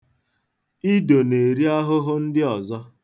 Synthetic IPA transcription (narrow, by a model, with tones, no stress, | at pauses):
i˦do˨ne˨ɾi˦a˦ɦʊ˦ɦʊ˦n̩˦dɪ˦ɔ˨zɔ˦